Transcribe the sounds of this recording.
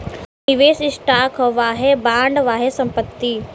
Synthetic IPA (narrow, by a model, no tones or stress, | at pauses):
nɪʋeːsɪsʈaːkʰʋaːɦebãːɳɖʋaːɦesɐ̃mpət̪ːiː